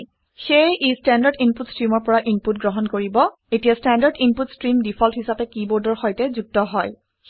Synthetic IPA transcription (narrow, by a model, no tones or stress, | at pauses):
xejʔistandaɹdinputstɹimɔɹpɔɹaʔinput̚ɡɹɔɦɔnkoɹibɔ | etijastandaɹdinputstɹimdipʰɔlthisapɛkibɔɹdɔɹxɔjtɛzuk̚tɔɦɔj